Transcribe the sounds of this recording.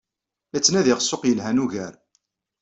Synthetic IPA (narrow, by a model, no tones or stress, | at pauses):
æt͡sːnæðɪʁəsːoqjəlɦænuʝəɾ